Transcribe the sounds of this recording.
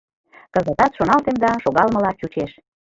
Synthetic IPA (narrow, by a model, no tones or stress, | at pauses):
kə̆zə̆t̪ɑt̪ʃonɑlt̪end̪ɑʃoɣɑlmə̆lɑt͡ɕut͡ɕeʃ